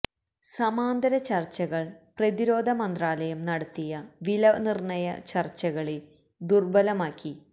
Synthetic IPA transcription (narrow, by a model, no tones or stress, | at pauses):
sɐmaːnd̪ɐɾɐt͡ɕɐrt͡ɕːɐɣɐɭprɐðiɾo̞ːd̪ʱɐmɐnd̪raːlɐjɐmnɐɽɐt̪ːijɐʋilɐnirɳɐjɐt͡ɕɐrt͡ɕːɐɣɐɭe | d̪urbɐlɐmaːkʲːi